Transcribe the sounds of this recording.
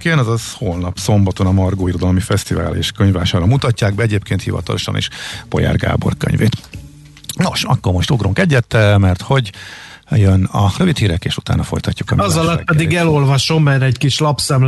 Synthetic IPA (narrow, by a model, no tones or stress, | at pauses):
keːnɛzɒzholnɒpso̞mbɒt̪onɒmɒrɡoːiɾo̞d̪ɒlmifɛst̪iva̰ːlḛːʃkøɲvvaːʃaːɾɒmut̪ɒcːaːɡ̚bɛɛɟeːp̚keːnt̪hivɒ̰t̪ɒloʃɒ̰nḛːʃpo̞̰ja̰ːrɡa̰ːbo̞̰rkø̰ɲvḛːt̪ | no̞ʃɒkːormo̞ʃt̪oɡruŋkɛɟːɛt̪ːɛmɛrt̪ho̞ɟ | jønɒrøvit̪hiːɾɛkeːʃut̪a̰ːnɒfo̞̰jt̪ɒcːu̥kɒmizɒlɒt̪pɛd̪iɡɛlo̞lvɒʃo̞mːɛɾɛɟkiʃlɒpsɛm